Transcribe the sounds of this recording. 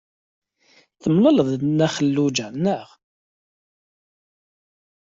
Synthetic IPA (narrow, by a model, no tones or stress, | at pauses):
θəmlələðˤnæχəlːud͡ʒanːəʁ